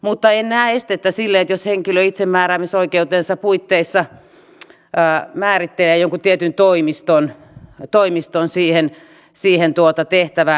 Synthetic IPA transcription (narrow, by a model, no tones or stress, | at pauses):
mut̪ːɑennæːest̪et̪ːæsilːeet̪josheŋkiløit̪semmæːræmisoikeut̪eːnsɑpuit̪ːeisːɑ | əːmæːrit̪ːeleːjoŋkut̪iet̪ynt̪oimist̪on | t̪oimist̪onsiːhen | siːhent̪uot̪ɑt̪eht̪æʋæ